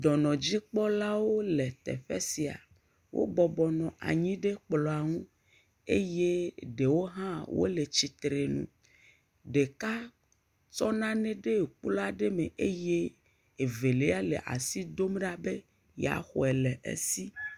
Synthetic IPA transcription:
d̪ɔ˨nɔ̃˨d͡ʑi˦k͡pɔ˦la˦wo˦lɛ˨t̪ɛ̰˨ɸɛ̰˦si˨a̰˨ | wʔo̰˦bɔ˨bɔ˨nɔ̃˨ʔa̰˨ɲĩ˦ɖe˦k͡plɔ˨a˨ŋũ˦ | e˦je˦ɖe˨wo˦ɦã˦wo̰˦le˨t͡ɕi˨t̪ɾe˨nṵ̃˨ | ɖe˨ka˦ | t͡ʃɔ˦nã˦nɛ̃˦ɖe˦˨k͡pu˦la˦ɖe˦me˨ʔe˦je˦ | e˨ve˨le˦a˦lḛ˨ʔa̰˨si˦d̪o˦m˦ɖa˨be˦ | ja̰˨xɔ̰˨ɛ˨lɛ˨ʔḛ˦si˦

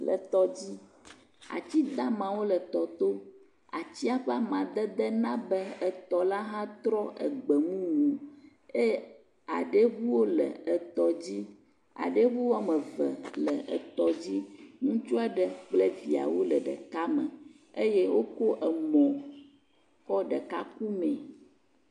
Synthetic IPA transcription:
lə̰˨t̪ɔ˦d͡ʑi˦ | a̰˨t͡ɕi˦d̪a˦mã˨wo˦lə˨t̪ɔ˨t̪o˦ | a˨t͡ɕi˦a˦ɸa˦mã˨d̪ə˦d̪ə˦nã˦bə˦ə˨t̪ɔ˨la˦ɦã˦t̪ɾɔ˦ʔə̰˨ɡ͡bə˨ŋũ˦wuõ˨ | e˦ | a̰˨ɖə˦ɣu˦wo˦lə̰˨ə˨t̪ɔ˨d͡ʑi˦ | a̰˨ɖə˦ɣu˦wo˦a˨mə˨və̰˨lə˨ʔə̰˨t̪ɔ˨d͡ʑi˦ŋũ˦t͡ʃu˦a˦ɖə˨k͡plɛ˦vi˨a̰˨wo˦lə˨ɖə̰˨ka˦mə̃˨ | e˦je˦wo˦ko˦ʔə˨mɔ̃˨ | kɔ˦ɖə˨ka˦ku˦mɛ̃˨

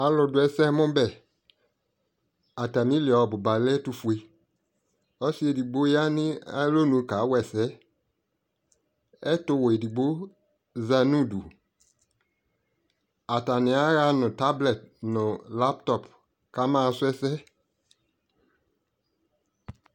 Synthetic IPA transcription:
a˨lʊ˨dʊ˨ɛ˦sɛ˦mʊ̃˦bɛ˨ | a˨ta˨mĩ˦li˨ɔ˨bʊ˨ba˨lɛ˦tu˧fu˨e˨ | ɔ˦si˦e˨di˨ɡ͡bo˦ja˦nɪ̃˦a̰˦lo˦nũ˨˦ka˨˦wɛ˨sɛ˦ | ɛ˦tʊ˦we˨di˨ɡ͡bo˦ | za˨nũ˦˨du˨ | a˨ta˨nɪ̃˨˦a˦ɣa˦nʊ̃˨ta˦blɛ˨t̚nʊ̃˨la˦ptɔ˨p | ka˦mã˦˨˦sʊ˦ɛ˦sɛ˦

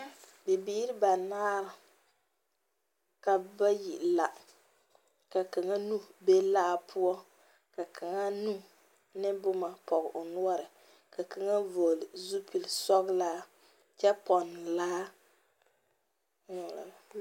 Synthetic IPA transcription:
bɪ˨biː˦ɾɪ˦ba˨naː˦ɾa˨ | ka˨ba˦ji˨ʔla˨ | ka˨ka˨ŋa˦nu˦be˦laː˦pʰu˦ɔ˦ | ka˨kʰa˨ŋa˦nu˦ | nɪ˦bʊ˦ma˨pɔ˨ɣɪ̰˨ʔʊ˨nu˦ɔ˦ɾɨ˨ | ka˨ka˨ŋa˦vo˨lɪ˨zu˦pi˨lsɔ˦ɣɪ˦laː˦ | t͡ʃɛ˦pɔ˨nː˨laː˦˨ | la̰˨

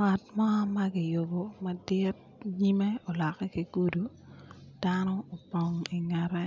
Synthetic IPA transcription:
ŋa˨t̚mɔ˦mɐ˦ɡɪ˨jo˨bo˨ma˨dɪ˦t̚ | ɲi˦me˦o˨la˨kɛ˦ki˨ɡ̥u˦du˨ | d̥anɔ˦o˨po˨ŋi˨ŋɛ˨ɾɛ˦

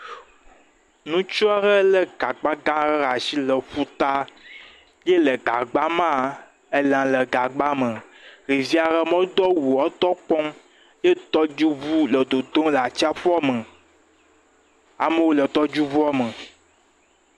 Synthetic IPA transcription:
nũ˦t͡ʃɔ˦ɛ˦ɾə˦lə˦ɡa˨ɡ͡ba˦ɡã˦ɾə˦ɾa˨ʃi˦lə˨ɸu˦t̪a˦ | je˦lə˨ɡa˨ɡ͡ba˦mã˦˨ | e˦lã˨lə˨ɡa˨ɡ͡ba˦mə̃˨ | ɾi˨vi˦a˨ɾə˦mɔ̃˦d̪ɔ˦wu˨ɔ˦t̪ɔ˦k͡pɔ˦m | je˦t̪ɔ˦d͡ʒu˦vu˦lə˨d̪o˨d̪o˦la˨t͡ɕt͡ʃi˦a˦ɸɔ˦mə̃˨ | a̰˨mə˦wo˦lə˨t̪ɔ˦d͡ʒu˦vu˦a˦mə˨

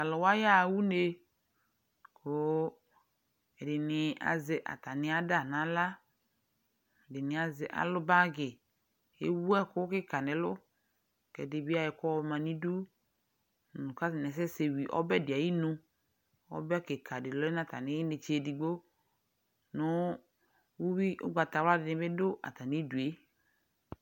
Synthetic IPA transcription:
a˨lʊ˨wa˦ja˦˨˦wu˦ne˦ | kʰʊ˨˦ | ɛ˨dɪ˨nɪ˨a̰˨zɪ˨ʔa̰˨ta˨nɪ˨a˦da˦˨nã˨˦la˦˨ | dɪ˨nɪ˨a˨zɪ˨˦ʔa̰˨lʊ˦ba˦ɡɪ˨ | ḛ˦wu˦ɛ˦kʊ˦kɪ˦ka˨nɪ˨˦lʊ˦ | kɛ̰˨dɪ˨bi˦a˦jɪ˨kɔ˦wmã˨nĩ˦du˦ | n˨nʊ̃˨ka˦sɪ˨nɛ˨s̬ɛ˦se˨wi˨ʔɔ̰˦bɛ˦˨dɪ˨a˨ji˦nũ˦ | ɔ̰˦bɛ˦kɪ˨ka˨dɪ˨lʊ˦ɛ˦nã˦˨t̪a̰˨nɪ̃˨˦i˦nɪ˨t͡ʃe˨di˨ɡ͡bo˦ | nʊ˨˦ | wu˦wi˦ʔʊ̰˦ɡ͡ba˨t̪a˨wa˦dɪ˨nɪ̃˨˦bɪ˦dʊ˦ʔa̰˨t̪a˨nĩ˦du˨e˨˦

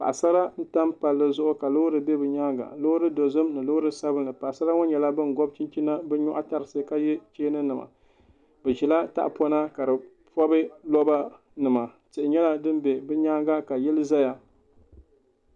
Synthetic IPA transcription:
pa̰˨ʔa˨sa˦ɾa˦n̩˦ta˦mpa˨lːɨ˦zʊ˦ʔʊ˦ka˨lo˦ɾɨ˨bɛ˦bɨ˨ɲaː˦ŋɡa̰˨lo˦ɾɨ˦do˨zɨ˦mnɨ˨loː˦ɾɨ˦sa˦bɨ˦nɨ˨pa˨ʔsa˦ɾa˦ŋɔ˦ɲɛ˨la˦bɨ˦n˨ɡɔ˦b̚t͡ʃi˦nt͡ʃi˦na˦bɛ˦ɲɔ˦ʔa˦ta˨ɾɨ˨sɨ˦ka˦jɛ˦t͡ʃeː˦nɨ˦nɨ˨ma̰˨ | bɨ˨ʒɛ˨la˦ta̰˦ʔpɔ˦na˦ka˨dɨ˨ | pɔ˦bɨ˦lɔ˦ba˦ | nɨ˨ma˨ | tɪ˨ʔɪ˨ɲɛ˦la˦dɨ˦mbɛ˨bɨ˦ɲaː˦ɡa˦ka˨jɛ˦lɨ˦za˦ja˨

